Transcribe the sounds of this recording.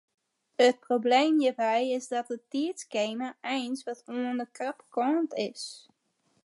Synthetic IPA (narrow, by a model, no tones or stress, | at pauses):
ət̚probleːmjəbɛjɪsdɔt̚ətiətskeːməɛjnsʋɔtuəndəkrapkɔːntɪs